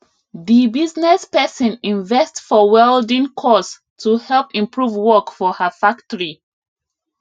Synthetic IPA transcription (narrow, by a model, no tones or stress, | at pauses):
ðibiznɛspɛsə̃nĩnvɛstfɔwɛldĩnkʰɔs | tʰuhɛlpĩmpʰɹuvwɔkfɔhəfak̚təɹi